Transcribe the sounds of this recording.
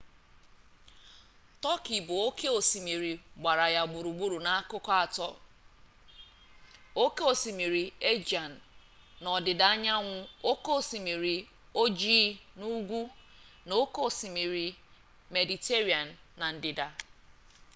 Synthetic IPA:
tɔ˦ki˨bʊ˨o˦ke˦o˨si˨mi˨ɾi˨ɡ͡ba˨ɾa˨ja˦˨ɡ͡bu˨ɾu˨ɡ͡bu˦ɾu˨na˦a˦kʊ˦kɔ˦a˨tɔ˦ | o˦ke˦o˨si˨mi˨ɾi˨e˦d͡ʒa˨n̩ː˨ | ɔ˨dɪ˨da˨a˦ɲa˦ŋʷʊ˦o˦ko˦˨si˨mi˨ɾi˨ | o˦d͡ʒiː˦nu˦ɡʷu˦ | no˦ko˦˨si˨mi˨ɾi˨ | me˨di˨te˦ɾi˦a˨n̩ː˨a˨n̩˨dɪ˨da˨

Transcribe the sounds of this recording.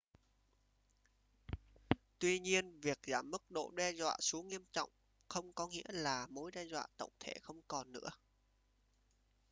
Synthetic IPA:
t̪wi˧ɲi˧ənvi˨˩ək̚zaː˧˩mːɨ˦˥k̚ɗo̰˧˨ɗɛ˧zwa̰ː˧˨su˨˦ŋːi˧əmt͡ɕɔ̰˧˨wŋ͡m | xə˧wŋ͡mkɔ˨˦ŋḭ˧˥əlaː˨˩mo˨˦jɗɛ˧zwa̰ː˧˨t̪ə̰˧˨wŋ͡mt̪ʰe˧˩xə˧wŋ͡mkɔ˨˩nːɨ̰˧˥ə

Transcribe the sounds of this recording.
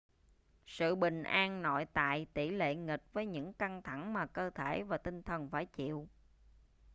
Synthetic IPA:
sɨ̰˧˨ɓï˨˩ŋ̟ʔaː˧ŋnɔ̰˧˨jt̪a̰ː˧˨jt̪i˧˩lḛ˧˨ŋï˨˩k̚vəː˨˦jɲɨ̰˧˥ŋka˧ŋt̪ʰa˧˩ŋmaː˨˩kəː˧t̪ʰe˧˩vaː˨˩t̪ï˧ŋt̪ʰə˨˩nfaː˧˩jt͡ɕḭ˧˨w

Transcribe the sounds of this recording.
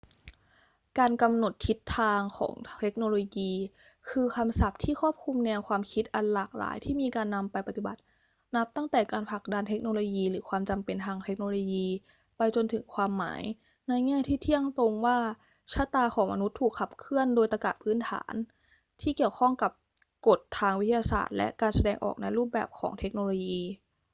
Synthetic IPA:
kaː˧nka˧mno˨˩t̪ʰːi˦˥t̪ʰːaː˧ŋkʰɔ̰ː˩˦ŋt̪ʰe˦˥k̚noː˧loː˧jiː˧ | kʰɯː˧kʰa˧msa˨˩p̚t̪ʰiː˥˩kʰɔː˥˩p̚kʰu˧mnɛː˧wkʰwaː˧mkʰi˦˥t̪̚ʔa˧nlaː˨˩k̚la̰ː˩˦jt̪ʰiː˥˩miː˧kaː˧nːa˧mpa˧jpa˨˩t̪i˨˩ba̰˨˩t̪̚ | na˦˥p̚t̪a˥˩ŋt̪ɛː˨˩kaː˧npʰa˨˩k̚da˧nt̪ʰe˦˥k̚noː˧loː˧jiː˧ɾɯː˩˦kʰwaː˧mt͡ɕa˧mpe˧nt̪ʰaː˧ŋt̪ʰe˦˥k̚noː˧loː˧jiː˧ | pa˧jt͡ɕo˧nt̪ʰɯ˩˦ŋkʰwaː˧mːa̰ː˩˦j | na˧jŋɛː˥˩t̪ʰiː˥˩t̪ʰi˥˩əŋt̪o˧ŋwaː˥˩ | t͡ɕʰa˦˥t̪aː˧xʰɔː˩˦ŋma˧nu˦˥t̪ʰːuː˨˩kʰːa˨˩p̚kʰɯ˥˩əndoː˧jt̪a˧ka̰˨˩t̚pʰɯː˦˥nt̪ʰa̰ː˩˦n | t̪ʰiː˥˩ki˨˩əwkʰɔ˥˩ŋka˨˩p̚ | ko˨˩t̪ʰːaː˧ŋwi˦˥t̪ʰːa˧jaː˧sa̰ː˨˩t̪̚lɛ̰˦˥ʔkaː˧nsa˧dɛː˧ŋʔɔ̰ː˨˩k̚na˧jɾuː˥˩p̚bɛ̰ː˨˩p̚kʰɔ̰ː˩˦ŋt̪ʰe˦˥k̚noː˧loː˧jiː˧

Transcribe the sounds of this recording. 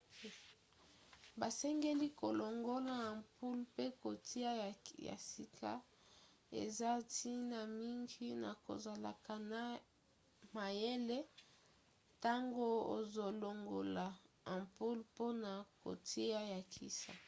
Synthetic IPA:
ba˨sɛ˦ŋɡe˦li˦ko˨lo˨ŋɡo˦la˨ã˨mpu˦lpe˦ko˨tʰi˦a˦˨ja̰˨si˨kʰa̰˦ | ḛ˨za˦ti˦na˨mi˦ŋɡi˦na̰˨ko̰˨za˨la̰˨ka˨na˦ | ma˨je˦le˦ | ta˦ŋɡo˦o̰˨zo˨lo˨ŋɡo˨la˨ | ã˨mpu˦lpo˦na˨ko̰˨tʰi˦a˦ja˨kʰi˦sa̰˨

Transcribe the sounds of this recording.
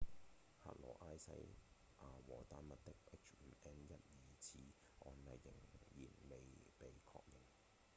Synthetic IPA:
ha̰ː˧t̚lɔ̰ː˨˩ʔaː˥jsɐ̰˥j | ʔaː˨˧wɔː˨˩t̪aː˧˥nmɐ˨t̚t̪ɪ˥k̚ʔɪ˥k̚t͡ʃ̩ː˨˩nɛː˥njɐ˥t̚jiː˨t͡sʰiː˨˥ | ɔː˧nlɐ˨jːɪ˨˩ŋjiː˨˩nme˨jpe˨jkʰɔ̰ː˧k̚jɪ˨˩ŋ

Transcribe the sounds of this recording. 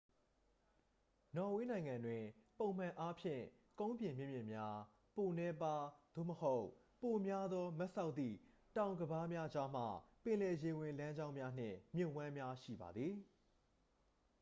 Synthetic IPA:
nɔ˨we˦nã˨ɪ̃ŋã˨ndwɪ̃˨põ˨ʊ̃m̥ã˨ʔa˦pʰjɪ̰̃˦˨ | kõ˦ʊ̃mpjɪ̃˨mjɪ̃˦˨mjɪ̰̃˦˨mja˦ | po˨nɛ˦pa˦d̪̥o̰˦˨məho˦ʊ | po˨mja˦d̪ðɔ˦mɛ˦ʔsa˦ʊt̪̚t̪θḭ˦˨ | tã˨ʊ̃ŋɡəba˦mja˦d͡ʑa˦m̥a̰˦˨pɪ̃˨lɛ˨je˨wɪ̃˨lã˦ɲd͡ʑã˦ʊ̃mja˦n̥ɪ̰̃˦˨mjʊ̃˦˨ʔwã˦mja˦ʃḭ˦˨ba̰˨d̪ði˨

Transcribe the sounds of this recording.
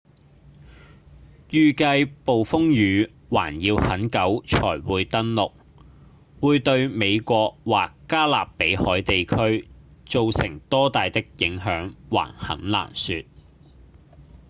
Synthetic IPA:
jyː˨kɐ˧jpo˨wfʊ˥ŋjyː˨˧ | waː˨˩njiː˧whɐ˨˥nkɐ˨˥wt͡ʃʰɔ̰ː˨˩jwuː˨˧jt̪ɐ˥nlʊ˨k̚ | wuː˨˧jt̪ɵ˧ɥme˨˧jkʷɔː˧k̚waː˨kːaː˥laː˨pːe˨˥jhɔː˨˥jt̪e˨jkʰɵ˥ɥt͡so˨˧wsɪ˨˩ŋt̪ɔː˥t̪aː˨jt̪ɪ˥k̚jɪ˨˥ŋɦœː˨˥ŋwa̰ː˨˩nhɐ̰˨˥nla̰ː˨˩nsyː˧t̚

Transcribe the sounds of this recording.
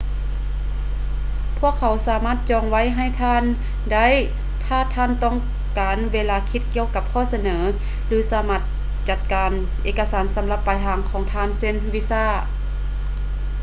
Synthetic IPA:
pʰu˥˩əkʰːa˨˦wsaː˨˦maː˥˩t̪̚t͡ɕɔː˧ŋwa˧˥˨jɦa˧˩˨jt̪ʰaː˧˥˨n | da˥˨j | t̪ʰaː˧˩˨t̪ʰaː˧˥˨nt̪ɔː˧˥˩ŋ | kaː˨˦nʋeː˧˨laː˧˩kʰi˧˥t̪̚ki˧əwka˧p̚kʰɔː˧˥˨sa˧nɤː˩˨˦ | lɯː˨˦saː˨˦maː˧˩t̪̚ | t͡ɕa˧t̪̚kaː˨n | ʔeː˧ka˧saː˨˦nsa˩˨˦mla˧pːaː˨jɦaː˨˧˦ŋkʰɔː˨˦ŋt̪ʰaː˧˥˨nse˧˥˨nʋi˧˥saː˧˥˩

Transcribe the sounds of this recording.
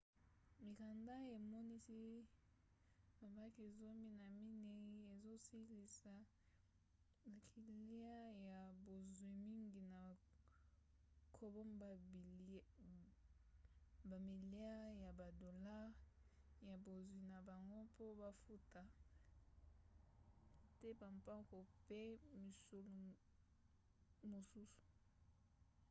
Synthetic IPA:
mi˨ka˨nda˦e˨mɔ˦ni˦si˦ | ma˨ba˦ke˨zo˦mi˦na˨mi˦ne˦e˨zo˦si˦li˨sa˨ | ba˨kʰi˨li˦a˦ja˨bo˨zwi˨mi˦ŋɡi˨na˨ | kʰo˨bo˦mba˨ | ba˨mi˨li˦a˦ja˨ba˨do˨la˦ʁja˨bo˨zwi˨na˨ba˨ŋɡo˦po˦ba˦fu˦ta˨ | tɛ˦ba˨mpa˦ko˨pe˦mi˨so˨lo˨ | mo˨su˦su̥˨

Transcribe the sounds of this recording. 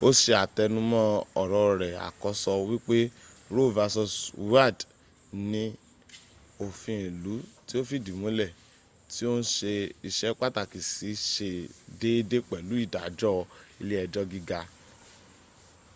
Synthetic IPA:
o˦ʃe˧a˨tɛ˧nũ˦mɔ̃˦ɔ˨ɾɔ˧˨ɾɛ˨a̰˨kɔ˧˦sɔ˧wi˦k͡pe˦ | ɾo˦˨va˧sɔ˧swa˦˨d | nĩ˦ | o˨fĩ˧˦˨lu˨˦ti˦o˦fi˦˨di˨mũ˨˦lɛ˦˨ | ti˦o˦n̩˦ʃe˧i˧˨ʃɛ˦k͡pa˦ta˦˨ki˨si˨˦ʃe˧de˦de˦k͡pɛ˨lu˨˦i˦˨da˨d͡ʒɔ˦˧i˧le˦ɛ˧d͡ʒɔ˦ɡi˦ɡa˧

